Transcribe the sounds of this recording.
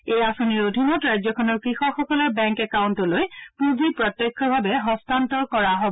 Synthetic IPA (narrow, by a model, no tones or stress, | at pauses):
ejasoniɹodʱinɔtɹajzɔkʰɔnɔɹkɹixɔxɔkɔlɔɹbɛŋkɛkawntɔlojpuzipɹɔtːekʰːɔbʱabɛɦɔstʰantɔkɔɹaɦobɔ